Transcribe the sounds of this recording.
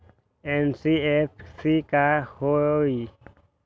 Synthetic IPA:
ɛnsiɛfsikahoi

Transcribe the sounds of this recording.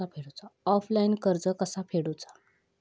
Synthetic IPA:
apʰeɽut͡saɔflainkəɾd͡zəkəsapʰeɽut͡sa

